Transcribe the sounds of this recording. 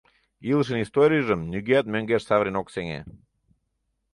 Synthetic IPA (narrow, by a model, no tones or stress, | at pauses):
ilˠəʃ̬ə̆nist̪oɾʲijəʒəmnyɡeæt̪̚møŋɡeʃsɑvɾʲinokseŋḛ